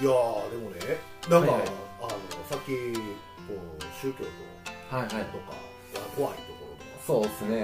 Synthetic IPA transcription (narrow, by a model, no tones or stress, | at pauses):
ijad̪e̞mo̞ne | nãŋkaaanosakʲi | koːɕɨːkʲo̰ːt̪o̰haiɦait̪o̞ka̰ | jakoβaḭt̪o̞ko̞ɾod̪osoːd̪esɨne